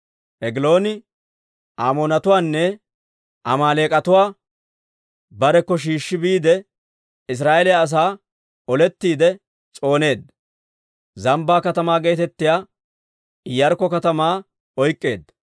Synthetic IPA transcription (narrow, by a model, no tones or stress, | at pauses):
ʔɛɡɪlo̞ːnɪ | ʔaːmoːnɐt̪ʊwaːnːɛ | ʔɐmaːle̞ːkʼɐt̪ʊwaː | bɐɾɛkːɔʃ̬iːʃːɪbiːd̪ɛ | ɪs̬ɾaːʔɛlɪjaːs̬aː | ɔlɛt̪ːiːd̪ɛ | t͡sʼo̞ːne̞ːd̪ | zɐmbaːkɐt̪ɐmaːɡejt̪ɛt̪ːɪjaː | ɪjːɐɾkːɔkɐt̪ɐmaː | ɔjkʼːe̞̰ːd̪